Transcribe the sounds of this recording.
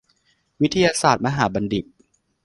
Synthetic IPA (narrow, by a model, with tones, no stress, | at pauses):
wi˦˥t̪ʰːa˧jaː˧saː˨˩t̪̚ma˧ɦaː˩˦ba˧ndi˨˩k̚